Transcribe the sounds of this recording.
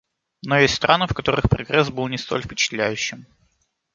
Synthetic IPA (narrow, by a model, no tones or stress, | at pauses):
nojesʲtʲst̪ɾʔanɨfkɐt̪o̞ɾɨxpɾɐ̰ɡɾɛsbɨlˠnʲɪst̪o̞̰lʲfpʲɪt͡ɕɪ̥t̪lʲæjʉɕːɪm